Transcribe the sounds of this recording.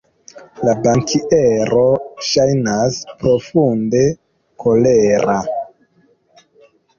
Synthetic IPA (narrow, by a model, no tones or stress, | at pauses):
labaŋkʰiʔeɾo̞ʃajnaspɾo̞funde̞ | kʰo̞leɾa